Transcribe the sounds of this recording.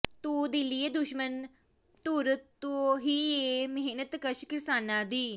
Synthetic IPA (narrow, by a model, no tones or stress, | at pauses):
t̪uːd̪ɪlieːd̪ʊʃmən | t̪uɾətt̪ːuɦiːeməɦnət̪kəʃkɪɾsaːnaːd̪iː